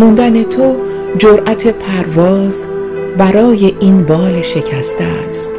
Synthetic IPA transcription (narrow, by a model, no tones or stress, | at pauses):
mund̪æne̞t̪ʰo | d͡ʒoɾʔæt̪ʰe̞pʰæɾvɒːz̥ | bæɾɒːje̞ʔinbɒːleʃe̞cʰæst̪est̪